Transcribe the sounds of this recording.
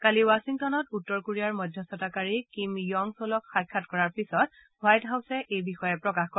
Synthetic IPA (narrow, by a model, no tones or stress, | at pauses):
kaliwasiŋtɔnɔtutːɔɹkuɹijaɹmɔdʱjɔsɔtakaɹikimjɔŋsolɔkxajkʰːatkɔɹaɹpisɔt̚ | wajtɦawsɛʔejbixɔjɛpɹɔkaxkɔ